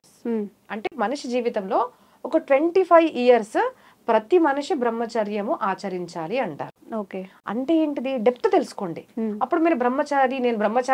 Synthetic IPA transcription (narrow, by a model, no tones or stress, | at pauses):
ɐɳʈe̞ːmɐnuʂid͡ʒiːʋit̪ɐmlo̞ː | ɔkɐʈʋe̞ɳʈipʰɐjʋiːjɐɾs | pɾɐt̪imɐnuʂibɾɐmːɐt͡ʃɐɾjɐmuʔaːt͡ʃɐɾiɲt͡ʃaːliɐɳʈa̰ːɾuoːkeːɐ̰ɳʈeːeːɳʈid̪iɖep̚t̪ut̪elusu̥ko̞ːɳɖiɐpːuɽumiːɾubʱɾɐmːɐt͡ʃaːɾine̞ːnubɾɐmːɐt͡ʃa